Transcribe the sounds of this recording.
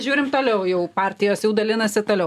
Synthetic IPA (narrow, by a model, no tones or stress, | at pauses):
ʒʲuːɾʲɪmt̪oːlʲɛʊjɛʊpɑːrʲt̪ʲɪjoːsjɛʊd̪ɐlʲɪnɐsʲɪt̪oːlʲɛʊ